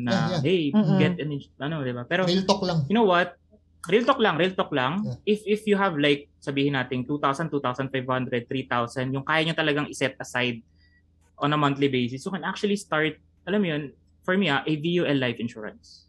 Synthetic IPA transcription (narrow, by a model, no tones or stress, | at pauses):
nɐhɛjɡɛt̪ɛnɪʔɐnod̪ɪbapɛːɾoɪlt̪oklaŋjʊnowwɐt̪̚ | ɾɪlt̪ok̚lɐŋɾɪlt̪ok̚lɐŋʔɪfʔɪfjʊɦɐvlajk̚sɐbiːhɪnaːt̪ɪŋt̪ut̪awsɐnt̪uːt̪awsɐnfajvhãnd̪ɾɛd̪̚θɾit̪awsɐnd̪jʊŋkaːjɐɲot̪ɐlɐɡaŋɪsɛt̪̚ɐsajd̪̚ | ʔɔ̃nɐmɐ̃nt̪libejsɪsjʊkɛnak̚t͡ʃʊɐlist̪aɹt̪̚ | ʔɐlamjon | fɔɹmiaʔevijuʔɛlːajfɪnʃuːɹɐ̰̃ns